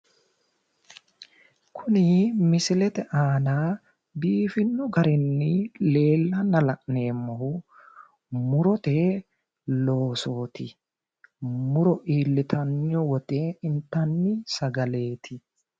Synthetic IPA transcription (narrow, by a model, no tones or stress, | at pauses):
kʰʊnɪmɪsɪlɛt̪ɛʔaːnaː | biːfɪnːʊɡɐɾɪnːɪle̞ːlːɐnɐlɐʔne̞ːmːɔhʊ | mʊɾɔt̪e | lo̞ːso̞ːt̪ɪ | mʊɾɔʔiːlːɪt̪ʰɐnːɔwɔt̪ʼɛɪnt̪ːɐnːɪsɐɡɐle̞ːt̪ʰɪ